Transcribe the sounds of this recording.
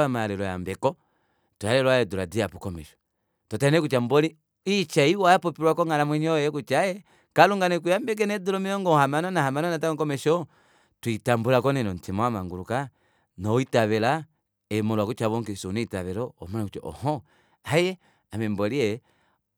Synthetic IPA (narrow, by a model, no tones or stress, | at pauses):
amalɛlɔja̰mbɛkɔ | tɔalɛlwajɛduladiapukɔmɛ̰ʃɔ̥ | tɔtanɛkut͡ʃambɔli | it͡ʃaiwapɔpiɾwakɔŋalamwɛɲɔjɛkut͡ʃajɛ | kaluŋɡanɛk̬ujambɛk̬ɛnɛdulɔmiɔŋɡɔhamanɔnahamanɔnatakɔkɔmɛʃɔ | twitambulakɔnɛnɔntʰimɔamaŋɡuɾuka | nɔitaβɛla | ɛmɔlwakut͡ʃaβɔŋkisuniitaβɛɾɔ̰ːmɔnɛkut͡ʃɔ̰ʔɔ̰hɔ | ajɛ | amɛmbɔliɛ